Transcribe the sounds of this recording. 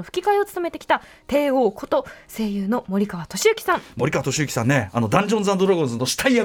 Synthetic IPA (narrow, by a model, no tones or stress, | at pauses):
oɸɯ̟̥kʲikaio̞t͡sɨ̥t̪ome̞t̪e̞kʲi̥t̪a | t̪e̞ːo̞ːkʰo̞t̪o̞se̞ːjɯːno̞mo̞ɾʲikaβat̪o̞ɕiɯ̟kʲi̥sãŋmo̞ɾʲikaβat̪oɕiɯkʲi̥sãnːeano̞d̪ãɲ̟d͡ʑõnzãnd̪oɾaɡõnzɨnːoɕi̥t̪ʰaia